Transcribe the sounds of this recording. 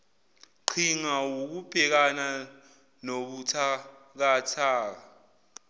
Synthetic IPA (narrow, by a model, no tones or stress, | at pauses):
ǃʰiŋawok̬ub̥ʼʱɛk̬ana | noɓutʰa | k̬atʰaːk̬a